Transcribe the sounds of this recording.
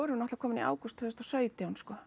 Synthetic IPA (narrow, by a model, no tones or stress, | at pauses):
ɔɾʏnɔht̪lakʰɔːmɪnḭʔa̰ːwkust̪fœðʏst̪ɔsœːɥt̪ɪanskɔ